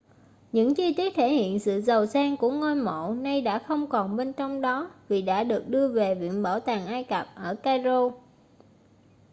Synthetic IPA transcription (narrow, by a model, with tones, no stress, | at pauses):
ɲɨ̰˧˥ŋt͡ɕi˧t̪wi˦˥ət̚t̪ʰe˧˩hḭ˧˨ənsɨ̰˧˨zə˨˩wsaː˧ŋku˧˩əŋo˧jmo̰˧˨na˧jɗa̰ː˧˥xə˧wŋ͡mkɔ˨˩nɓe˧nt͡ɕɔ˧wŋ͡mɗɔ˨˦vi˨˩ɗa̰ː˧˥ɗɨ˨˩ək̚ɗɨ˧əve˨˩vḭ˧˨ənɓəː˧˩wt̪aː˨˩ŋʔaː˧jkə˨˩p̚ʔəː˧˩kaː˧zo˧